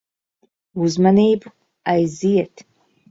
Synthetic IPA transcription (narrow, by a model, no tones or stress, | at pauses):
uzmanejb | ajzijɛtʰ